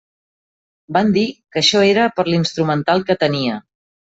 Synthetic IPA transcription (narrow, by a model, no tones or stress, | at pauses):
band̪ikəʃɔeɾəpəɾlinst̪ɾumənt̪alˠkət̪əniə